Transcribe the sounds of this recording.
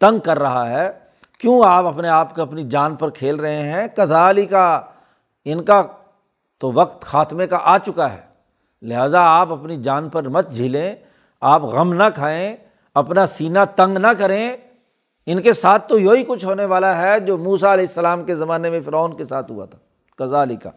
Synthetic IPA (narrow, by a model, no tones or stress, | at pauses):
t̪ɐ̃ŋɡ̚kɐɾːɐɦaɦɛː | kjõːaːpɐpneaːpkoɐpnid͡ʒaːnpɐɾkʰeːlɾɐɦeɦɛ̃kɐt̪aːlika | ɪnka | t̪oʋɐqt̪xaːt̪mẽkaʔaːt͡ʃʊkaɦɛ̰ː | lɪɦaːzaaːpɐpnid͡ʒaːnpɐɾmɐt̪̚d͡ʒʱilẽ | aːpɣɐmnakʰaːẽ | ɐpnasiːnat̪ɐ̃ŋɡnakɐɾẽ | ɪnkesaːt̪ʰːojoːikʊt͡ʃʰɦoːneʋaːlaɦɛd͡ʒoːmuːsaɐleːɪsːɐlaːmkezɐmaːnemẽfɪɾaːnkesaːt̪ɦʊ̰a̰t̪ʰḁː | kɐzaːlika̰ː